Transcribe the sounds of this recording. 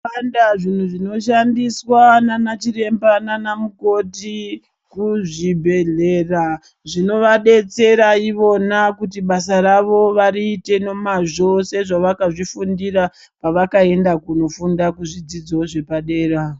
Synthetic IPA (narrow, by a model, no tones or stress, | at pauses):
andaʐin̤uʐino̞ʃandiswananat͡ʃire̞mbananamuko̞ti | kuʐibʱe̞ɮe̞ːra | ʐino̞ʋaɗe̞t͡se̞ɾaiʋo̞nakutiɓasaɾaʋo̞ʋaɾiːte̞no̞maʐo̞se̞ʐaʋakaʐifundira | paʋakae̞ndakuno̞fundakuʐid͡zid͡zoʐe̞paɗe̞ːɾa